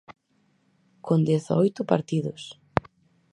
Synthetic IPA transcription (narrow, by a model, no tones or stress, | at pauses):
kʰond̪ɛθa̰ojt̪ʊpa̰ɾt̪iðʊs